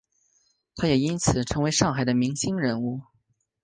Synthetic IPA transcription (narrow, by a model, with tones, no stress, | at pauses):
t̪ʰa˥jɛ˨˩i˥nt͡sʰɹ̩˨˩ʈ͡ʂʰɤ˧˥ŋwe˧˥ɪʂɑ˥˩ŋxa˨˩ɪd̪ə˦mi˧˥ŋɕi˥ŋɻə˧˥nu˥˩